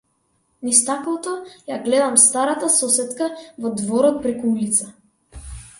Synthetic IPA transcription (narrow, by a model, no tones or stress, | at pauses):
nist̪aklˠɔt̪ɔjaɡlɛd̪amst̪aɾat̪asɔsɛt̪kavɔd̪vɔɾɔt̪̚pɾɛkuulit̪sa